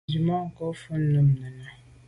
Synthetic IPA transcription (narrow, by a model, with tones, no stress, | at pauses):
d͡ʒi˨mã˦ŋ̩˨kɔ˦fu˦n̩˦nə̃˦m˨nã˨nã˨